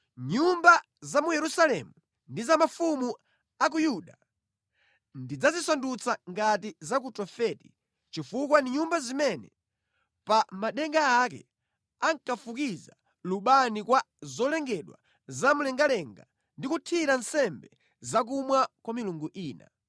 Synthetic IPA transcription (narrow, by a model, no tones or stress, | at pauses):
ɲumba | zamujɛɾusalɛmu | ndizamafumu | ak̬ujuɗa | ndid͡zazisandut͡sʰaŋɡatizak̬utɔfɛːti̥ | t͡ʃifukwandiɲumbazimɛnɛ̰ | pamaɗɛŋɡaːkɛ̰ | aŋkafukiza | luɓanikwa | zɔlɛŋɡɛɗwa̰ | zamulɛŋɡalɛŋɡa | ndikutʰiɾansɛmbɛ | zak̬umwakwamiluŋɡuʔiːna̰